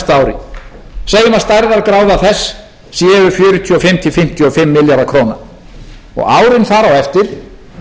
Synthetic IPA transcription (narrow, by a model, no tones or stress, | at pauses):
st̪aːwɾɪ̰ | seːjɪmast̪ajɾðaɾkɾaːwðaθɛsː | jɛːvʏɾfjʏːɾʏt̪ʰyɔfɪm̥t̪ʰɪfɪm̥t̪ʰjɔfɪmːɪljaɾakʰɾoːna̰ | ɔ̰ɣaːwɾɪnθaɾawɛft̪ɪɾ̥